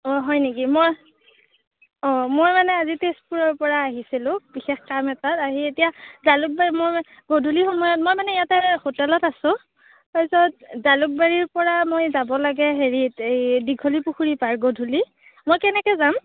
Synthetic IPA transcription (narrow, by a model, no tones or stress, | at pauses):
ɔɦɔjnikimoj | ɔmojmanɛazitespuɹɔɹpɔɹaːɦisilʊ̃bixɛxkamɛtataɦietijazaluk̚baɹimoj | ɡodʱulixɔmɔjɔt̚mojmanɛijatɛxotɛlɔtasʊ̃ | papisɔt̚zaluk̚baɹiɹpɔɹamojzabɔlaɡɛɦeɹitejdiɡʱolipuxuɹipaɹɡodʱuli | mojkɛnɛkɛzam